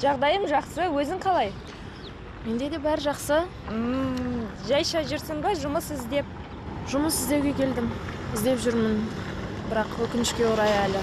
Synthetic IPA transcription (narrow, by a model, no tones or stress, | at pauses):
ʒɑʁd̪ɑjəmʒɑqsəwɵzɪŋqʰɑlˠɑj | me̞nd̪e̞d̪e̞bæɾɪʒɑqsə | ə | ʒɑjʃɑʒɪɾsɪŋbɑʒʊməsɪzd̪e̞p̚ | ʒ̥ʊməsɪzd̪e̞wɡʲe̞kʲʰe̞ld̪ɪmɪzd̪e̞pʒʏɾmənbɪɾɑqwɵkʲɪnɪʃkʲe̞woɾɑjælɪ